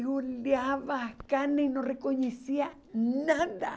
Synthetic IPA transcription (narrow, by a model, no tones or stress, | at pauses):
ɣoljaβakanenõrekoɲesia | naða̰